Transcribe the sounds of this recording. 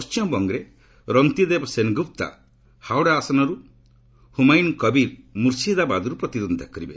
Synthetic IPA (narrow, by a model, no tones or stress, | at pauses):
st͡ʃjɔmbɔŋɡɾe | ɾɔnt̪id̪ebɔsenɡup̚t̪a̰ | hawɽaːsɔnɔɾu | humajnkɔbiɾmuɾsid̪abad̪ɔɾupɾɔt̪iɾɔnd̪ʱakɔɾibe